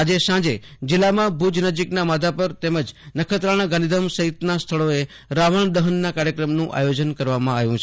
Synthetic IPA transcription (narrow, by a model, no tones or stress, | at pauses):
ad͡ʒesãd͡ʒed͡ʒɪlːamãbʱud͡ʒnəd͡ʒiknamad̪ʱapəɾt̪eməd͡ʒnəkʰət̪ɾaɽ̃aɡãnid̪əmsəɦit̪nast̪ʰəɭoe | ɾaʋəɳ̃d̪əɦənːakaɾjəkɾəmnũʔa̰jod͡ʒənkəɾʋamãaʋjũt͡ʃʰe